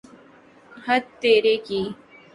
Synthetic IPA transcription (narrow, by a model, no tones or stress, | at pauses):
həd̪t̪ːeːɾeːkiː